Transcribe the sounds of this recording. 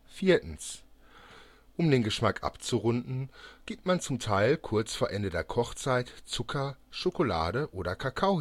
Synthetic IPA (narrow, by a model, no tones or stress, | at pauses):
fiːɐtn̩s | ʔʊmdeːnɡəʃmakʔa̰pt͡suʁʊndn̩ɡ̥iːp̚tmant͡sʊmtʰaɪlkʰʊɐt͡sfoːɐʔɛndədeːɐkʰɔχt͡saɪtt͡sʊkʰɐʃokola̰ːdəʔoːɾɐkʰakʰaʊ